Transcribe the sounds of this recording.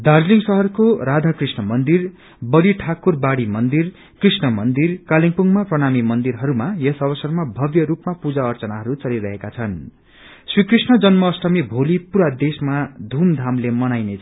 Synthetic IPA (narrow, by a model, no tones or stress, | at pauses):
d̪ard͡zliŋsʌɦʌrkoɾad̪ʱakrisnʌmʌnd̪ir | bʌliʈʰakurbaɽimʌnd̪ir | krisnʌmʌnd̪irkaliŋpuŋɡmaprʌɽ̃amimʌnd̪iɾɦʌɾumajesʌβʌsʌrmabʱʌbjʌɾupmapud͡zaʌrt͡sʌnaɦʌɾut͡sʌliɾʌɦekat͡sʰʌn | srikrisnʌd͡zʌnmʌːsrʌmibʱolipuɾad̪esmad̪ʱumd̪ʱamlemʌnajnet͡sʰ